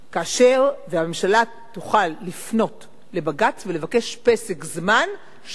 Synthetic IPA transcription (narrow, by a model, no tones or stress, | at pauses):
kaːʃe̞ʁvehamemʃala | t̪uχalːifno̞t | le̞baɡat͡svele̞vake̞ʃpe̞sekzman | ʃ